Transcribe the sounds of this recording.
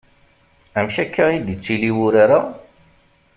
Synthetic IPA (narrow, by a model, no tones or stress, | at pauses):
æmʃækːæid̪ət͡sːiliwʊɾaɾa